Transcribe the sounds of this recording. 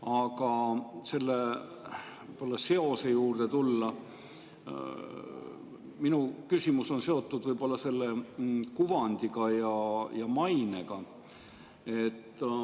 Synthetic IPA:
ɑɡ̥ɑse̞lːe | vjb̥o̞lːɑse̞o̞se̞juːrd̪̥et̪ulːɑ | minukysimuso̞nse̞o̞t̪ːˑud̪vɯjb̥o̞lːɑse̞lːe̞kuvɑnʲd̪̥iɡ̥ɑjɑjɑmɑjne̞̰ɡ̥ɑ | e̞t̪ː

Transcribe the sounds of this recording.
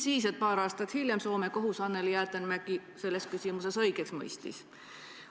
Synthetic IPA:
siːs̬et̪̚pɑːɾɑːst̪ɑt̪hiljemso̞ːme̞ko̞ɦusɑnːe̞ljæːt̪ːˑænmæɡise̞lːe̞skysimuse̞sɤ̞jɡeksmɤ̰jst̪ḭs

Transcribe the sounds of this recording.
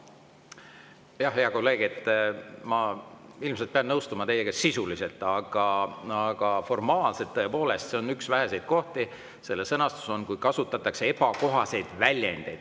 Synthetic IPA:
jɑɦeɑko̞lːe̞ːɡ̥et̪ˑːmɑilmselt̪̚peɑnnɤwst̪umɑt̪e̞jːe̞ɡɑsisulise̞lt̪ːˑɑɡ̥ɑɑɡ̥ɑfo̞rmɑːlse̞t̪ːɤe̞po̞ːle̞st̪se̞o̞nyksvæɦe̞se̞jd̪̥̚ko̞ht̪i | se̞lːesɤnɑst̪u̥so̞nkujkɑsut̪ːˑɑt̪ːˑɑkse̞ebɑko̞ɦɑse̞jd̪̥vælʲjḛnd̪̥e̞̰jd̪̥

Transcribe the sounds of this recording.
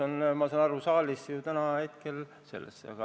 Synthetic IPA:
onmɑsɑːnɑɾusɑːlisjut̪ænɑhe̞t̪kel | se̞̰lːḛsːɑ̰ɡ̥ɑ

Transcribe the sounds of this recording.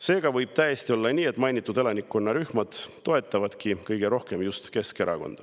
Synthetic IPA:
se̞ːɡ̥ɑvɤjb̥̚t̪æje̞st̪io̞lːɑnʲiːe̞t̪ːˑmɑjnit̪ːˑud̪e̞lɑnikːˑo̞nːɑɾyhmɑd̪̥t̪ːo̞e̞t̪ːˑɑvɑd̪̥kikɤjɡ̥e̞ɾo̞hke̞mjust̪ke̞ske̞ɾɑ̰ko̞̰nd̪̥ɑ

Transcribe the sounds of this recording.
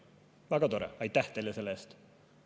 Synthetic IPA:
væɡ̥ɑt̪o̞ɾɛ̰ɑjt̪ːˑæht̪ejlːese̞lːeest̪

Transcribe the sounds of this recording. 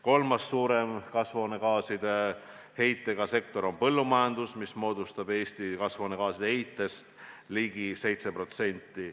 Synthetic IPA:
ko̞lmɑsːuːɾe̞mkɑsvo̞ːne̞kɑːsid̪̥e̞ | he̞jt̪ːe̞ɡ̥ɑse̞kt̪o̞ɾo̞npɤlːumɑjɑnd̪usmismo̞ːd̪̥ust̪ɑb̥e̞ːsʲt̪ikɑsvo̞ːnekɑːsid̥̪ehejt̪ːˑe̞st̪liɡise̞jt̪se̞pro̞t̪se̞nʲt̪ːˑi

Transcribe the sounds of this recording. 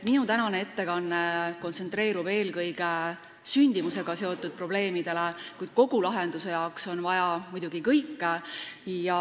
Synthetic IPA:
t̪minut̪ænɑnee̞t̪ːe̞kɑnːe̞ko̞nt̪se̞nt̪re̞ːɾub̥e̞ːlkɤjɡ̥e | synʲd̪̥imuse̞ɡ̥ɑse̞o̞t̪ːˑud̪̥̚pro̞b̥le̞ːmid̪̥e̞lekujd̪̥̚ko̞ɡ̥ulɑɦe̞nd̪̥use̞jɑokso̞nvɑjɑmujd̪̥uɡ̥ikɤjkː | jɑ

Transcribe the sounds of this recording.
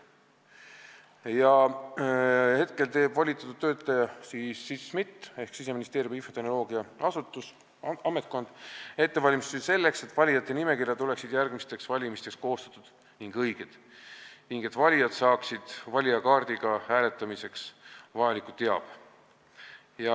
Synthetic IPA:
jɑ | he̞t̪ke̞lt̪e̞ːb̥vɑlʲit̪ːˑɑt̪ud̪̥̚t̪ːø̞ːt̪ːˑɑjɑsiːsːismit̪ˑːe̞hksise̞minist̪eːɾjuminfo̞t̪eno̞lo̞ːɡ̥iɑɑsut̪ːˑus | ɑme̞t̪̚ˑko̞nd̪̥e̞t̪ːe̞vɑlʲimist̪ise̞lːe̞kse̞t̪ːˑvɑlʲijɑt̪ˑːe̞nime̞kirjɑt̪ule̞ksid̪̥jærɡ̥mist̪e̞ksvɑlʲimist̪e̞ksko̞ːst̪ɑ̥t̪ːˑud̪̥ | niŋɡɤjɡ̥ed̪̥ | niŋɡ̥e̞t̪vɑlʲijɑd̪sɑːksid̪̥vɑlʲiɑkɑːrd̪̥iɡ̥ɑhæːle̞t̪ːˑɑmise̞ksvɑjɑlikˑut̪ːe̞ɑ̰b̥ | jɑ

